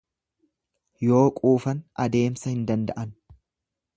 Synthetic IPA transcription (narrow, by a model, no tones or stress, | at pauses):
jo̞ːkʼuːfɐnɐd̪e̞ːmsɐhɪnd̪ɐnd̪ɐʔɐn